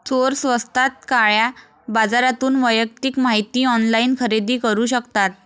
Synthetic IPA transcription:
t͡soɾsʋəst̪ʰat̪̚kaɭja | bad͡zaɾat̪uːnʋəjək̚t̪iːkmaɦit̪iːɔnlainkʰəɾed̪iːkəɾuːɕəkt̪at̪̚

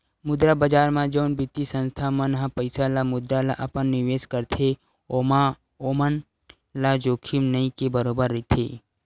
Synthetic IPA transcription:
mʊd̪ɾabəd͡ʒaːɾmãd͡ʒoːnbɪt̪isə̃nst̪ʰamənɦapəɪsalamʊd̪ɾala̰ʔɐpənːɪʋeːskəɾt̪ʰe | oma | omən | lad͡ʒoːkʰimnəĩkebəɾoːbəɾːɪt̪ʰḛː

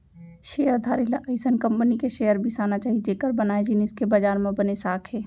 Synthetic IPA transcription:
ʃeːəɾd̪ʱaːɾɪlaʔɐɪsənkɐ̃mpənikeʃeːjəɾbʱisaːnat͡ʃaːɦid͡ʒeːkəɾbɐnaːed͡ʒɪniskebɐd͡ʒaːɾmẽbɐnesaːkʰɦɛː

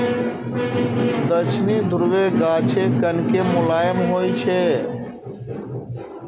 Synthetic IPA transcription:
d̪ət͡ʃʰnid̪ʱuɾʋeɡat͡ʃʰekənkemʊlaːjəmɦojt͡ʃʰɛ

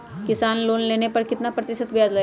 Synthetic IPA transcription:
kisanlonlenepəɾkit̪napɾət̪isət̪ʋijad͡zlə

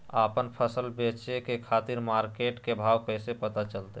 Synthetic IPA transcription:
apənpʰəsəlbet͡ʃekekʰat̪iɾmaɾkeʈkebʱaʋkəjsepət̪at͡ʃəlt̪e

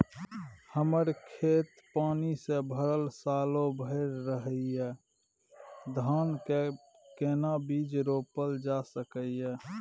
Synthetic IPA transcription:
həməɾkʰeːt̪paːnisebʱəɾəlsaːlõbʱəɪɾːəɦəiɛː | d̪ʱaːn | keːnabiːd͡ʒɾoːpəld͡ʒasəkəiɦɛː

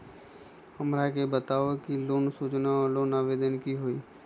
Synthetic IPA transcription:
əmɾakebət̪aːʋokiloːnsuːt͡ʃnaɔɾloːnaːʋeːd̪ənkiɦoiː

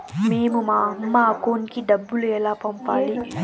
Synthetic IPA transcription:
meːmumaːɐmːaːkoːnkiɖ̪ɐbːuluɛlaːpɐmpaːli

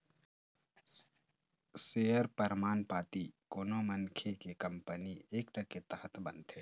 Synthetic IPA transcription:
sejəɾpəɾmaːnpaːt̪ikoːnomənkʰekekɐ̃mpənieːkʈɐket̪əɦət̪ʰbənt̪ɦɛː

